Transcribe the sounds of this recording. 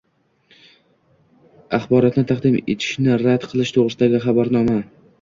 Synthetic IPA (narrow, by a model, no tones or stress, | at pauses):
aχbɒɾɒt̪nɪt̪ʰaqd̪ɪmḛt̪ʰɪ̥ʃnɪɾad̪qʰɨlˠɪʃt̪ʰoʁɾɪsɪd̪aɡʲɪχabaɾnɒma